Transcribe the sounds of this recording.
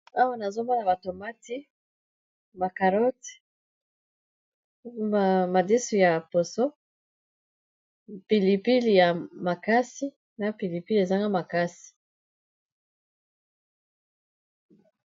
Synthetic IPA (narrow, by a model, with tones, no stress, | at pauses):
a˦wa˦na˨zo˦ma˦la˨ba˨to˨ma˦ti˦ | ma˨ka˨ɾɔ˦t | a˨ma˨di˦su˨ja˨po˨so˦ | pi˨li˨pi˦li˨ja˨ma˨ka˦si˦ | na˨pi˨li˨pi˦li˨e˨za˦ŋɡa˦ma˨ka˦si̥˨